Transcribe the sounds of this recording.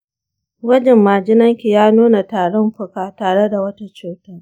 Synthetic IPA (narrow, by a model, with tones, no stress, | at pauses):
ɡɐ˦d͡ʒɛ˨mːaː˨d͡ʒɪ˦nɐ˦ŋkʲi˨jaː˦nuː˦na˨taː˨ɽɔ˦mɸʊ˦kaː˨taː˨ɽe˦da˨wɐ˦ta˦t͡ʃuː˨tɐ˦